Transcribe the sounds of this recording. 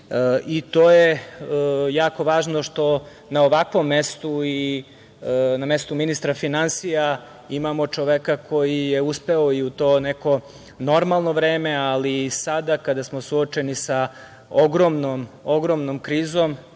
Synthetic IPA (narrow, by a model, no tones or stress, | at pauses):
it̪oːje | jaːko̞ʋaːʒno̞ʃt̪o̞ | naoʋakʋo̞mːest̪ui | namest̪uminist̪ɾafinansija | imamo̞t͡ʃoʋekakʰo̞jije̞uspeoiut̪o̞ːneko̞ | no̞ɾmalˠno̞ʋɾeːmealisad̪akad̪asmo̞suot͡ʃe̞nisa | oɡɾomnomoɡɾomnomkɾiːzom